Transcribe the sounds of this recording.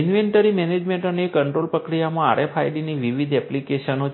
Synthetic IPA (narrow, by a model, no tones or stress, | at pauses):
ɪnʋeɳʈəɾimɛned͡ʒmẽɳʈənekəɳʈɾolpɾəkɾijamãa̰ɾʔefʰajɖiniʋiʋid̪ʱɛplikeʃəno